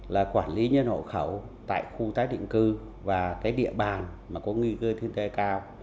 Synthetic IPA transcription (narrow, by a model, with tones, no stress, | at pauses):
laː˨˩kwaː˧˩nli˨˦ɲə˧nho̰˧˨xə˧˩w | t̪a̰ː˧˨jxu˧t̪aː˨˦jɗḭ˧˨ŋkɨ˧ | vaː˨˩kaː˨˦jɗḭ˧˨əɓaː˨˩nmaː˨˩kɔ˨˦ŋwi˧kəː˧t̪ʰɨ˧əŋt̪e˧jkaː˧w